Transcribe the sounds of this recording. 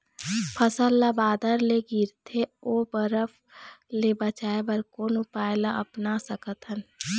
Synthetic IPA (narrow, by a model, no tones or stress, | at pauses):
pʰəsəlːabaːd̪əɾleɡiɾt̪ʰeoːbəɾəf | lebət͡ʃaːebəɾkoːnupaːelaʔɐpnasəkət̪ən